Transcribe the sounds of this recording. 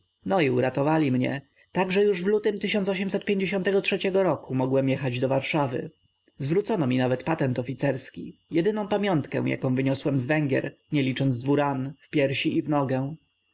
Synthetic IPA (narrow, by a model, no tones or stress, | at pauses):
nɔiuɾat̪ɔvalʲimɲɛ̰ | t̪aɡʐɛjuʐvlut̪ɘmt̪ɘɕ̬ɔnt̪sɔɕ̬ɛmsɛt̪̚pʲjeɲd͡ʑeɕɔnt̪ɛɡɔtʂɛt͡ɕɛɡɔɾɔkumɔɡwɛmjɛxad͡ʑd̪ɔvaɾʂavɘ̰ | zvɾut̪sɔnɔmʲinavɛt̪pat̪ɛnt̪ɔfʲit̪sɛɾskʲḭjɛd̪ɘnɔ̃w̃pamʲjɔnt̪kɛ̰̃w̃ja̰kɔ̃vɘɲɔswɛmzvɛŋɡʲɛ̰ɾɲɛlʲit͡ʂɔnzd̪vuɾanfpʲjɛɾɕiʔivnɔɡɛ̃